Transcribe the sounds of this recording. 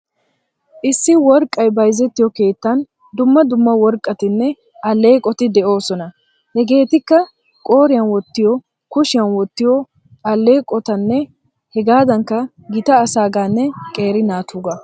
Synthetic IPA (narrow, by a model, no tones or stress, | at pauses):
ʔɪsːɪwɔɾkʼɐjbɐjzɛt̪ːɪjɔke̞ːt̪ːɐn | d̪ʊmːɐd̪ʊmːɐwɔɾkʼːɐt̪ɪnːɛ | ɐlːe̞ːkʼːɔt̪ɪd̪ɛʔo̞ːsɔnɐ | hɛɡe̞ːt̪ɪkːɐ | kʼo̞ːɾɪjɐnwɔt̪ːɪjɔ | kʊʃɪjɐnwɔt̪ːɪjɔ | ʔɐlːe̞ːkʼɔt̪ɐnːɛ | hɛɡaːd̪ɐŋkːɐ | ɡɪt̪ɐːsaːɡaːnːɛkʼe̞ːɾɪnaːt̪uːɡɐ